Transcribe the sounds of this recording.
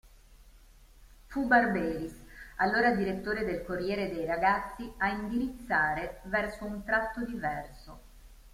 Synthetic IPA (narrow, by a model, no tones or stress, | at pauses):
fubarbɛːɾisalːoːɾad̪iɾet̪ːoːɾed̪elkorːjɛːɾed̪ejɾaɡat̪sːiaind̪iɾit̪sːaːɾevɛrsount̪ɾat̪ːod̪ivɛrso